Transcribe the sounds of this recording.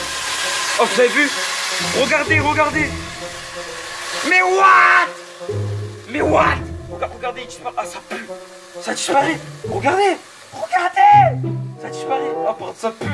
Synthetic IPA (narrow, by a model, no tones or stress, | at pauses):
ɔt̪uzaevyʁəɡaʁd̪eʁəɡaʁd̪e | mɛwat̪ | mɛwat̪əɡaʁəɡaʁd̪et̪i̥spapasapø | sad̪ispaʁɛʁəɡaʁd̪e | ʁəɡaʁd̪esad̪ispaʁɛapaʁt̪əsapy